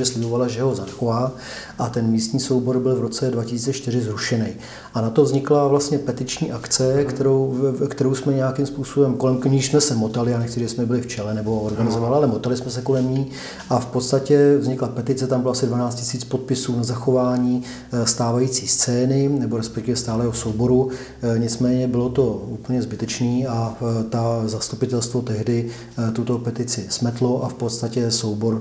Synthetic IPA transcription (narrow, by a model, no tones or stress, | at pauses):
ʒɛslɪbovalaʒɛɦo̞zaxovaː | ʔat̪ɛnmiːst̪ɲiːso̞wbo̞ɾbɪlvɾo̞t͡sɛdvacɪsiːt͡sɛt͡ʃt̪ɪɾɪzɾuʃɛnɛj | ʔanat̪ovzɲɪklavlast̪ɲɛpɛt̪ɪt͡ʃɲiːʔakt͡sɛkt̪ɛɾowkt̪ɛɾowsmɛɲɛjakimspuːsobɛmko̞lɛmkɲiʃsmɛsɛmo̞t̪alɪaːnɛxkt͡sɪʒɛɪsmɛbɪlɪft͡ʃɛlɛnɛbo̞oɾɡanɪzo̞valalɛmo̞t̪alɪsmɛsɛko̞lɛmɲiː | ʔafpot̪st̪acɛvzɲɪklapɛt̪ɪt͡sɛt̪ambɪloasɪdvanaːt͡scɪsiːt͡spo̞t̪̚pɪsuːnazaxovaːɲiː | st̪aːvajiːt͡siːst͡sɛːnɪnɛboɾɛspɛkt̪ɪvɛst̪aːlɛːɦo̞sowbo̞ɾu | ɲɪt͡smɛːɲɛbɪlo̞t̪o̞uːpl̩ɲɛzbɪt̪ɛt͡ʃniːat̪azast̪upɪt̪ɛlst̪vot̪ɛɦdɪ | t̪ut̪o̞pɛt̪ɪt͡sɪsmɛt̪lo̞ʔafpot̪st̪acɛsowbo̞ɾ